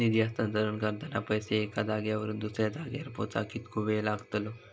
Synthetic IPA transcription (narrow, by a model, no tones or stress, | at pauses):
nid̪jast̪ənd͡z̪əɾuːɳkəɾt̪anapəjseːkad̪aɡjaʋəɾuːnd̪usɾjad̪aɡja̰ɾpo̰t͡sa̰kiːt̪kʰubelaɡt̪lo